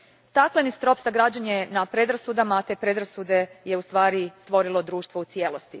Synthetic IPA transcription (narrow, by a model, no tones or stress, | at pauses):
st̪aklenist̪ɾo̞psaɡɾad͡ʑanjenapɾe̞d̪ɾasud̪amaːt̪e̞ːpɾe̞d̪ɾasud̪e̞je̞ust̪ʋaːɾist̪ʋo̞ɾilˠo̞d̪ɾuːʃt̪ʋo̞ut̪sjeːlˠost̪i